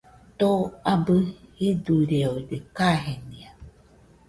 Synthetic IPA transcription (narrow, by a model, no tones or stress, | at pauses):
t̪oabɨiduɾeodekaɦenĩa